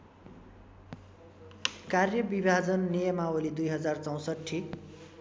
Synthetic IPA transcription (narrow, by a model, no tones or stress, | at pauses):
karjʌbibʱad͡zʌnːijʌmaolid̪ujɦʌd͡zart͡sʌw̃sʌʈʰːi